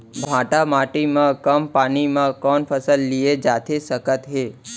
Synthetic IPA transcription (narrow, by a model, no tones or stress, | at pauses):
bʱãʈamaʈimãkəmpanimãkɔnpʰəsəlːied͡ʒat̪ʰesəkət̪ɦe